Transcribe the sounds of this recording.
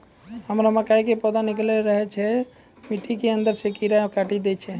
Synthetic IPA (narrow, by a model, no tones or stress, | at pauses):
həmɾaməkajkepɔd̪anikleɾəɦɛt͡ʃʰɛ | miʈikeənd̪əɾsekiɾakaʈid̪ɛt͡ʃʰɛ